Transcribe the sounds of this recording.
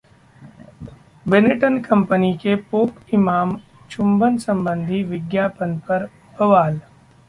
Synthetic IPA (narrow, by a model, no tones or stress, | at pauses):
bɪnɪʈənkɐ̃mpənikepoːkɪmaːm | t͡ʃʰʊ̃mbənsɐ̃mbə̃nd̪ʱiʋɪɡjaːpənpɐɾ | bɐʋaːl